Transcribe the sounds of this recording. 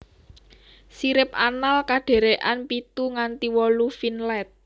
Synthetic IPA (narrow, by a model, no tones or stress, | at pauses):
siɾɪp̚analkaɖ̥e̤ɾeʔanpit̪uŋant̪iwɔlufinlɛt̪̚